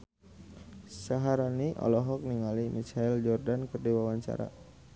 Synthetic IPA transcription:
saɦaɾaniʔɔ̰lɔɦɔk̚niŋalimit͡ʃaild͡ʒɔrdankərdiwawaɲt͡ʃa̰ɾa̰

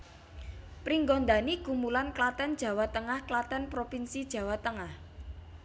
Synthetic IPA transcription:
pɾiŋɡɔnd̪aniɡ̥umulanklat̪ɛnd̥ʒ̥ä̤wat̪əŋahklat̪ɛnpɾopinsid̥ʒ̥ä̤wat̪əŋah

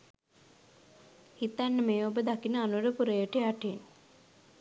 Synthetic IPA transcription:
hit̪ːænːəmeːobəd̪akinəanuɾəpuɾejəʈeaʈen

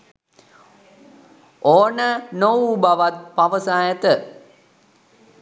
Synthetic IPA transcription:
oːnənobaʋat̪̚paʋəsaːjət̪ə

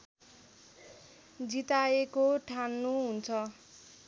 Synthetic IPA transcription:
d͡zit̪aekoʈʰanːuɦunt͡sʰʌ

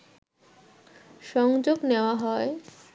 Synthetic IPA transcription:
ʃɔŋd͡ʑoɡneoaɦɔe

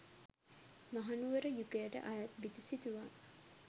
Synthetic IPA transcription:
maɦanuʋəɾəjukejəʈə̰ʔajat̪̚bit̪usit̪uʋaː

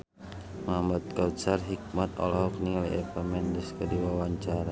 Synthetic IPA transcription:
mambat̪̚kaut̪̚sarɦik̚mat̪ɔ̰lɔɦɔk̚niŋaliɛpamɛndiskədiwawaɲt͡ʃaɾa

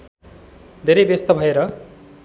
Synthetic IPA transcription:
d̪ʱeɾʌjbest̪ʌbʱʌeɾʌ

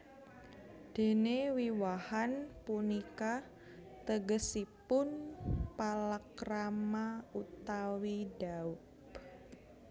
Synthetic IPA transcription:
d̪̥e̤newiwahanpunika | t̪əɡəsipʊnpalakramaut̪awidaʊ | p

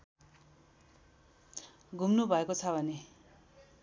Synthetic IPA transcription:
ɡʱumnubʱʌekot͡sʰʌbʱʌne

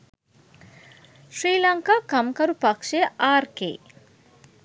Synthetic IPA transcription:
ʃɾiːlɐŋkaːkɐmkɐɾupakʂejəʔaːrkḛː

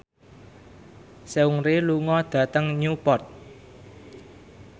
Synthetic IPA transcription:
seuŋɾeluŋɔd̪̥ä̤t̪əŋɲupɔrt̪̚

